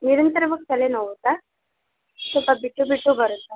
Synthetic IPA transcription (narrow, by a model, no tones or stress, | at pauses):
niɾənt̪əɾʋək̚t͡ɕalenəʋt̪a | supabiʈːubiʈːubʱəɾot̪a